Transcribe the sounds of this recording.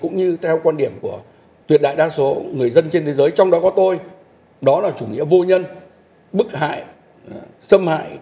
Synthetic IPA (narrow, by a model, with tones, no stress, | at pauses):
kʊ̰˧˥ŋ͡mɲɨ˧t̪ʰɛ˧wkwaː˧nɗi˧˩əmku˧˩ə | t̪wi˨˩t̚ɗa̰ː˧˨jɗaː˧so˨˦ŋɨ˨˩əjzə˧nt͡ɕe˧nt̪ʰe˨˦zəː˨˦jt͡ɕɔ˧wŋ͡mɗɔ˨˦kɔ˨˦t̪o˧j | ɗɔ˨˦laː˨˩t͡ɕu˧˩ŋḭ˧˥əvo˧ɲə˧n | ɓɨ˦˥k̚ha̰ː˧˨j | sə˧mha̰ː˧˨j